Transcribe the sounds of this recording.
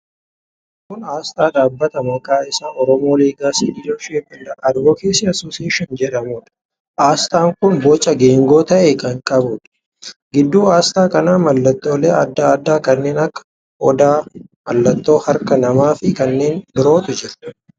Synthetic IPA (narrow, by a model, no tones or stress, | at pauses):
kʊnaːst̪ʼaːᶑaːbːɐt̪ɐmɐkaːɪsaːɔɾɔmo̞ːleːɡaːsiːᶑɪd͡ʒoːʃeːfɐlːɐʔɐd̪boːkeːsɪɐsoːsɪeːʃɔnd͡ʒɛᶑɐmʊːᶑɐ̥ | ʔaːst̪aːŋkʊnbɔt͡ʃʼːɐɡe̞ːŋɡo̞ːt̪ɐʔekɐŋkʼɐbʊᶑɐ̥ | ɡɪd̪ːuːaːst̪aːkɐnaːmɐlːɐt̪ːo̞ːleːɐ̰d̪ːaɐd̪ːaːkɐnːe̞ːnɐkːɐ̥ | ʔɔd̪aːmɐlːɐt̪ːo̞ːhɐɾkɐnɐmaːfɪkɐnːe̞ːnbɪɾo̞ːt̪ʊd͡ʒɪɾ